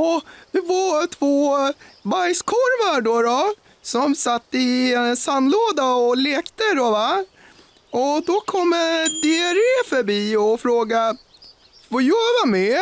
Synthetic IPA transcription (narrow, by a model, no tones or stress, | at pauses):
ɔd̪ɛvat̪ʰvoːbajskʰɔɾvaɖɔɾɔ | sɔmsat̪ːəɪɛnsanloːd̪aɔleːkt̪əɾova | ɔd̪ɔkʰɔmːd̪eæɾefœɾbiːɔfɾoːɡa | fɔjœːɾamɛ